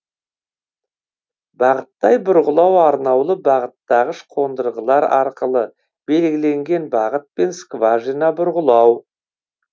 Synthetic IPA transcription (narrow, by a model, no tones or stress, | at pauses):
bɑʁət̪ːɑjbʊɾʁəlˠɑwɑɾnɑwlˠəbɑʁət̪ːɑʁəʃqʰo̞nd̪əɾʁəlˠɑɾɑɾqəlˠə | b̥e̞lɡʲɪle̞ŋɡʲe̞nbɑʁət̪̚pe̞nskvɑʒinɑbʊɾʁəlˠɑw